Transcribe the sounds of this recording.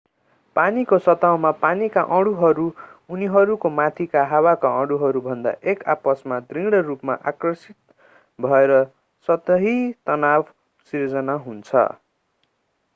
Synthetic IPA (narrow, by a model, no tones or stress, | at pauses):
panikosʌt̪awmapanika̰ʔʌ̃ɽuɦʌɾuuniɦʌɾukomat̪ʰikaɦawakaʌ̃ɽuɦʌɾubʱʌnd̪a̰ʔekapʌsmad̪riŋɽʌrupmaʔakrʌsit̪̚ | bʱʌeɾʌ | sʌt̪ʌɦit̪ʌnab | sird͡zʌnaɦunt͡sʰʌ̰